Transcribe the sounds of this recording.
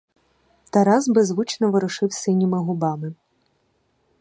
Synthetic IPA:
t̪ɐɾɑzbezʋut͡ʃnɔʋɪɾʊʃɪwsɪnʲːimɪɦʊbɑmɪ

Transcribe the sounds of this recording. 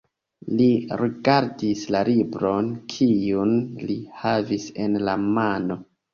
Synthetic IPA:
liɾiɡaɾdislalibɾo̞nkʰijunlihavisenlamano̞

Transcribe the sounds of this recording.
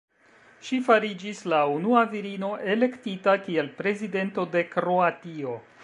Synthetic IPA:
ʃifaɾid͡ʒislaunuaviɾino̞ʔe̞le̞ktitakie̞lpɾe̞zide̞nto̞de̞kɾo̞atio̞

